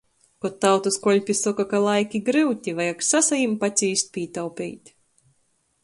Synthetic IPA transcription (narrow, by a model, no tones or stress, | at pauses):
kɔt̪ːawt̪uskɔlʲpʲisɔkakalˠajkʲiɡɾɨwt̪ʲivajaksasajimpat̪sʲiːsʲt̪̚pʲiːt̪awpʲḭːjt̪ʲ